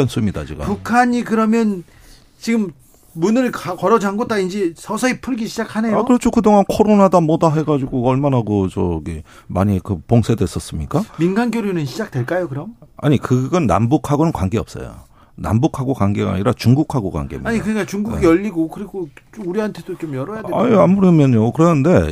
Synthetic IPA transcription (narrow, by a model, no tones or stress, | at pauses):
ʌns͈umɲidat͡ɕiɡa̰pukʰaɲikɯɾʌmjʌn | t͡ɕiɡɯmː | unɯɭkkʌɾʌd͡ʑaŋɡot͈aind͡ʑesʰʌsʰʌipʰɯɭɡiɕʰid͡ʑakʰane̞joakɯɾʌt͡ɕʰokɯdoŋankʰoɾonadamʌdaɦe̞ɡad͡ʑiɡoʌɭmanaɡot͡ɕʌɡe | maɲikɯpoŋsʰe̞dwes͈ʌs͈ɯmɲik͈aminɡanɡjoɾjunɯnɕʰid͡ʑak̚tweɭk͈ajokɯɾʌma̰ɲikɯɡʌnːa̰mbukʰaɡonɯnkwaŋɡeʌp̚s͈ʌ̰jo̰ | na̰mbukʰaɡokwaŋɡeɡa̰ɲiɾat͡ɕuŋɡukʰaɡokwa̰ŋɡḛmiaɲikɯɲik͈at͡ɕuŋɡuɡijʌʎːiɡokɯɾiɡot͡ɕuɾiɦantʰe̞d̥ot͡ɕomjʌɾʌjjada̰ɲiamuɾimjʌɲokɯɾʌnɯnde̞